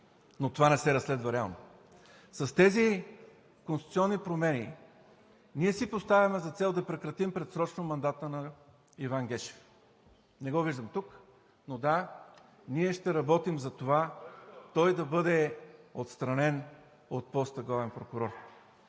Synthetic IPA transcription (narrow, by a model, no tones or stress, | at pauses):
not̪ovanɛsɛɾɐsːlɛd̪vɐɾɛa̰lˠno | sɐst̪ɛzi | konst̪t̪siɔnːipɾomɛni | niɛsipost̪avʲjɐmɛzɐt̪sɛlˠd̪ɐpɾɛkɾɐt̪impɾɛt̪sɾɔt͡ʃnomɐnd̪at̪ənɐ | ivaŋɡɛʃɛ̥f | nɛɡɔviʒd̪əmt̪uk | nod̪a | niɛʃt̪ɛɾɐbɔt̪imzɐt̪ovat̪ɔjd̪ɐbɤd̪ɛot̪st̪ɾɐnɛn | ot̪̚pɔst̪ɐɡlavɛnpɾokʊɾɔɾ